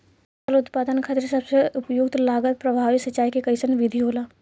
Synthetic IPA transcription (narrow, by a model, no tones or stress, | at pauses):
əlʊt̪paːd̪ənkʰaːt̪eɾsɐbseʊpjuːɡt̪laːɡət̪̚pɾɐbʱaːʋisɐt͡ʃːaːikekɐɪsənʋɪd̪ʱiɦoːlaː